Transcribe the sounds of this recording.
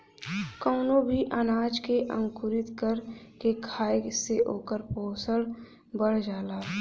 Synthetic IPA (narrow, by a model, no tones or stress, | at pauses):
kɔːnobʱiʔənaːd͡ʒkeʔə̃ŋkʊɾɪt̪kəɾkekʰaːeseʔoːkəɾpoːsəɽ | bəɽ̤d͡ʒaːlaː